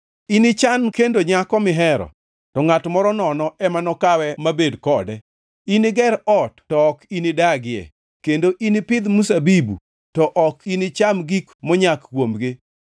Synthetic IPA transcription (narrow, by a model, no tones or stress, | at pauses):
inɪt͡ʃankendoɲakɔmɪɦɛɾɔ̰ | tɔŋatmɔɾɔnɔnɔʔɛmanɔkawɛmabedkɔdɛ | inɪɡɛɾɔtːɔːkinɪdaɡɪjɛ̰ | kendoʔinɪpɪd̪musabibṵ | tɔʔɔkinɪt͡ʃamɡikmɔɲakkwomɡɪ